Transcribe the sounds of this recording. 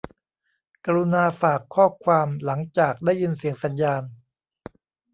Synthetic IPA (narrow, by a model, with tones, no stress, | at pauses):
kaː˧ɾu˧naː˧faː˨˩kʰɔː˥˩kʰwaː˧mla˩˦ŋt͡ɕaː˨˩k̚daː˥˩jɯ˧nsi˨˩˦əŋsa˩˨˦njaː˧n